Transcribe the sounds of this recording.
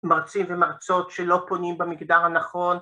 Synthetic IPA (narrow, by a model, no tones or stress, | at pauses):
maʁt͡simvemaʁt͡so̞tʃelo̞po̞nimbamiɡdaʁhanaχo̞n